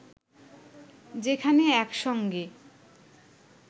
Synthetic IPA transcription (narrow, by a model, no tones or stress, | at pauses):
d͡ʑekʰaneɛkʃɔŋɡe